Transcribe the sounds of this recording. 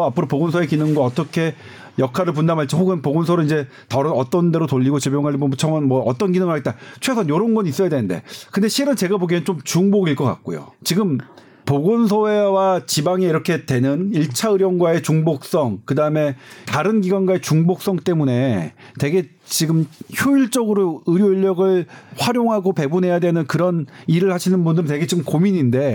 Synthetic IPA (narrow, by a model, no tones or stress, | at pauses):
apʰɯɾopoɡonsʰoe̞kinɯŋɡwaʌt͈ʌkʰe̞ | jʌkʰaɾɯɭp̬undamɦaɭt͡ɕ͈ʰihoɡɯnpoɡonsʰʌɾɯid͡ʑe̞ | tʌɾʌt͈ʌnde̞ɾotoʎːiɡot͡ɕebjoŋɦaɭːibomot͡ɕʰʌŋʌnmwʌʌt͈ʌnɡinɯŋɯɭɦaɡet͈at͡ɕʰwesʰʌnjoɾʌnɡʌnis͈ʌjadwe̞nɯnde̞̰kɯnde̞ɕʰiɾɯnt͡ɕe̞ɡaboɡinɯnt͡ɕomt͡ɕuŋboɡiɭk͈ʌk͈a̰k̚k͈o̰jo̰t͡ɕiɡɯm | poɡons̬ʰoe̞wat͡ɕibaŋeiɾʌkʰe̞twe̞nɯniɭt͡ɕʰaɯɾjʌnɡwae̞t͡ɕuŋbok̚s͈ʌŋkɯdaɯme̞taɾɯnɡiɡwanɡwae̞t͡ɕuŋbok̚s͈ʌŋt͈e̞mune̞ | te̞ɡe̞ | t͡ɕiɡɯmçoiɭt͡ɕ͈ʌɡɯɾoɯɾjoiʎːʌɡɯɭɸwaɾjoŋɦaɡope̞bunɦe̞jadwenɯnkɯɾʌniɾɯɭhaɕʰinɯnbundɯɾɯnte̞ɡe̞t͡ɕiɡɯmkomiɲinde̞